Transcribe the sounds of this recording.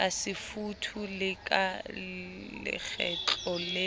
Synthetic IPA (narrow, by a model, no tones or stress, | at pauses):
asɪfutʰulɪkʼa | lɪ̰k͡xʰɛ̰t͡ɬʼɔle